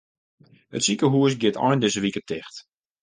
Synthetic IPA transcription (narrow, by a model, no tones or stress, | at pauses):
ə̰tsikəɦuəs̬ɡɪtʰɔ̰jndɪsəʋikətʰɪxt